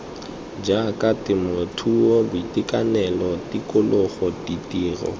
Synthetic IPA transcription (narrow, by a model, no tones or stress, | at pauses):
d͡ʒakʼatɪmʊtʰuobʊitikʼanɛlɔtikʼʊlʊχɔtitʼiːrɔ̰